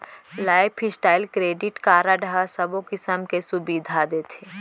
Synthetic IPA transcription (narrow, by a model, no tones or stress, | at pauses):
laːɪpʰɪsʈaːɪlkɾeːɖɪʈkaːɾaɖɦasɐbõkɪsəmkesʊbiːd̪ʱad̪eːt̪ʰeː